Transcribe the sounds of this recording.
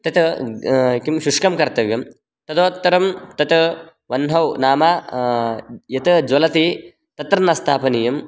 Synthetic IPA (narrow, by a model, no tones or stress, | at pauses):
t̪ɐt̪ | kimʃuʂkɐmkɐɾt̪ɐʋjɐm | t̪ɐd̪oːt̪ːɐɾɐmt̪ɐt̪ | ʋɐnɦɐwnaːma | jɐt̪ɨd͡ʒwɐlɐt̪i | t̪ɐt̪ɾɐnɐst̪ʰaːpɐnijɐm